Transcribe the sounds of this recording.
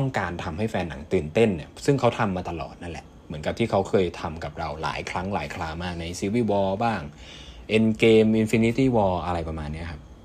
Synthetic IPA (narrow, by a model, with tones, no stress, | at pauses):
t̪ɔ˥˩ŋkaː˧nt̪ʰa˧mha˥˩jfɛː˧nːa˩˦ŋt̪ɯː˨˩nt̪e˥˩nːi˦˥˩ɐsɯ˥˩ŋkʰa˦˥wt̪ʰa˧mːaː˧t̪a˧lɔ̰ː˨˩t̪̚na˦˥nlɛ̰˨˩ʔ | mɯ˩˦ənka˨˩p̚t̪iː˥˩kʰa˦˥wkʰɤː˧jt̪ʰa˧mka˨˩p̚ɾa˧wla̰ː˩˦jkʰɾa˦˥ŋla̰ː˩˦jkʰlaː˧maː˥˩k̚na˧jsi˧˦wiː˧˥˩wɔː˧baː˥˩ŋ | ʔe˧nkeː˧mʔi˧nfi˧ni˦˥t̪iː˥˩wɔː˧ʔa˧ɾa˧jpɾa˧maː˧nːi˦˥ɐkʰa˦˥p̚